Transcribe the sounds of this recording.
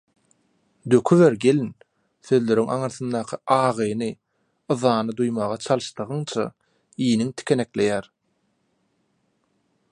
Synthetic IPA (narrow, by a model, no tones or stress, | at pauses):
d̪ø̞kʰyveɾɡe̞lin | θøðlø̞ɾyŋʔɑŋɯɾθɯnd̪ɑːqʰɯʔɑːʁɯjnɯ | ɯðɑːnɯd̪ujmɑːʁɑt͡ʃʰɑlˠɯʃt̪ɯʁɯŋt͡ʃʰɑ̰ | iːniŋt̪ʰi̥kʲʰene̞kle̞jæːɾ